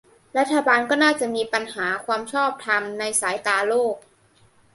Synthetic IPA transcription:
ɾa˦˥t̪̚ʰːa˧baː˧nkɔː˥˩naː˥˩t͡ɕa˨˩ʔmiː˧pa˧nhaː˩˦kʰwaː˧mt͡ɕʰɔː˥˩p̚t̪ʰa˧mna˧jsaː˩˦jt̪aː˧loː˥˩k̚

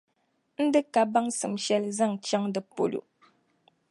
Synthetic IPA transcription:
n̩˦dɨ˦ka˨ba˦ŋsɨ˨mʃɛ˦lza˦˨ŋt͡ʃa˦ŋdɨ˨po̰˨lṵ˨

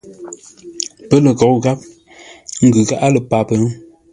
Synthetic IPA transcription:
pə˦lə˨kɔ˨˦kɣa˦p̚ | ŋ̩˦˨ɡʉ˨ɣa˦ʔa˦lə˨pa˨pə˨˦

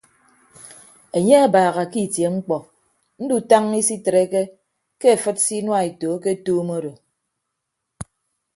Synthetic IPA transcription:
e˨ɲe˦a˦baː˨ɣa˨ki˦˨tje˨ŋ͡m̩˦k͡pɔ˨ | n̩˦du˨ta˦ŋi˦si˦tɾe˦ke˦ | ke˦e˨fɨ˦t̚si˦nwa˦˨e˨toː˨˦ke˦toː˦mo˦do˨

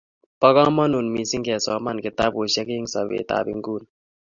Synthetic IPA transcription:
pɐ˦ɣãː˦mɐ˦nu˨nmi˨si˦ŋkɛː˨sɔːma˦nkɪt̪aː˦boː˨ɕɐ˦ki˦ŋsɐ˨βḛː˨t̪a̰ː˨bḭ˦ŋɡuːn

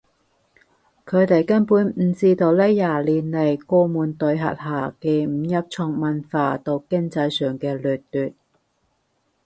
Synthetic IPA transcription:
kʰɵ˨˧ɥt̪e˨jkɐ˥npuː˨˥nm̩˨˩˧t͡siː˧t̪o˧wlɛː˥jaː˨˩liː˨nle˨˩jkɔː˧muː˨˧nt̪ɵ˨˧ɥɦɐ̰˨t̚haː˨˩ke˨˧jm̩˨˩jɐ˥p̚t͡ʃʰɔ˧ŋmɐ˨nfaː˧t̪o˨˧wkɪ˥ŋt͡sɐ˧jsœː˨˩ŋkɛː˧lyː˨˩tt̪yː˨t̚

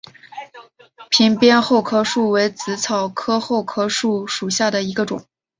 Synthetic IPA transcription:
pʰi˧˥ŋpjɛ˥nxo˥˩ʊkʰɤ˥ʂu˥˩we˧˥ɪt͡sɹ̩˧˥t͡sʰɑ˨˩ʊkʰɤ˥xo˥˩ʊkʰɤ˥ʂu˥˩ʂu˨˩ɕja˥˩d̪ə˩i˧˥ɡə˧ʈ͡ʂʊ̰˨˩˦ŋ

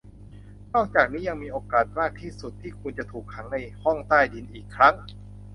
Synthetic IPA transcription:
nɔː˥˩k̚t͡ɕaː˨˩k̚niː˦˥ja˧ŋmiː˧ʔoː˧kaː˨˩t̪̚maː˥˩k̚t̪ʰiː˥˩su˨˩t̪ʰːiː˥˩kʰu˧nt͡ɕa˨˩t̪ʰuː˨˩k̚ʰːa˩˦ŋna˧jhɔ˥˩ŋt̪aː˥˩jdi˧nʔiː˨˩kʰːɾa˦˥ŋ

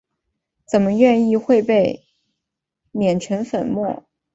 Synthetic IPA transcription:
t͡sə˨˩nmə˦ɥɛ˥˧ni˥˧xwe˥˧ɪpe˥˩ɪ | mjɛ˨˩nʈ͡ʂʰə˧˥nfə˨˩nmwɔ˥˩

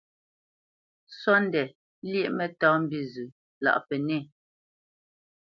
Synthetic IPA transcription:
sɔ˦n˦dɛ˨ | ljɛ˦ʔmɛ˨tɔː˨˦m̩˦˨bi˦zʉ˨ | la̰˨ʔpɛ˨ne˦˨

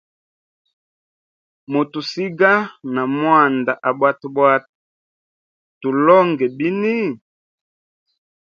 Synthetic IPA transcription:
mo˨tu˨si˦ɡa˦na˨mwa˦˨nda˨ʔa˨bwa˦tu˨bwa˦t | tu˨lɔ˦ŋɡɛ˨bi˦ni˦

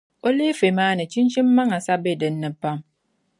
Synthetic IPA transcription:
o˦li˦fe˨maː˦nɨ˨t͡ʃi˦nt͡ʃi˦mːa˦ŋa˨sa˦be˦˨dɨ˨n̩ːɨ˨pa˦m

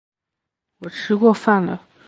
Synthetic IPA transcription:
wɔ˨˩ʈ͡ʂʰɻ̩˥kwɔ˥˧fa˥˩nlə̰˩

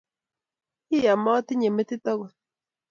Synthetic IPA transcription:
i˦ja˨mɔ˦ti˦ɲe˨me˦ti˦tɔ˦ɣɔ˨

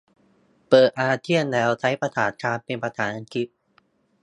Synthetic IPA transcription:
pɤː˨˩t̪̚ʔaː˧t̪ʰi˥˩ənlɛː˦˥wt͡ɕʰa˦˥jpɾa˧t̪ʰaː˨˩˦n̚t͡ɕʰaː˧npe˧npɾa˧t̪ʰaː˩˦nʔa˧nkʰi˦˥p̪̚

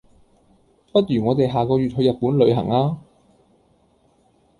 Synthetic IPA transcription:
pɐ˥t̚ɥyː˨˩ŋɔː˨˧t̪e˨jɦaː˨kɔː˧jyː˨t̚hɵ˧jɐ˨t̚puː˨˥nlɵ˨˧ɥɦɐ̰˨˩ŋaː˥

